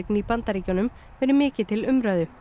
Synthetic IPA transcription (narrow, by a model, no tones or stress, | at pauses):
knipant̪aɾiːcɔnʏm | fɛnʏmɪːcɪt̪ʰɪlʏmɾœɥðʏ